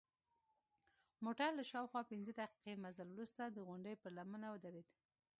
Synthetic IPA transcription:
moʈaɾlaʃɑwxwɑpɪnzəd̪aqi̥qemazəlwɾust̪ad̪əɣʊɳɖəjpəɾlamənawəd̪aɾed̪

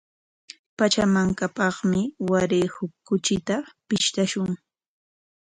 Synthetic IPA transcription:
pat͡ʃamaŋkapɑχmɪwaɾejhʊkːʊt͡ʃɪt̪apɪʃt̪aʃʊŋ

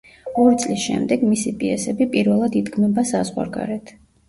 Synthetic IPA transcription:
ɔɾit̪sʼlisʃɛ̰md̪ɛɡmisipʼiɛsɛbipʼiɾvɛlˠad̪id̪ɡmɛbasazʁwa̰ɾɡa̰ɾɛt̪ʰ

